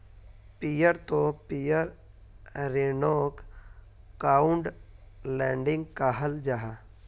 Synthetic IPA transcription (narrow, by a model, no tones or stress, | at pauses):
pijəɾt̪opijəɾː | enoːk | kaːʊɳɖ | lɛ̃ːɳɖɪ̃ŋɡ̚kaɦəld͡ʒaɦaː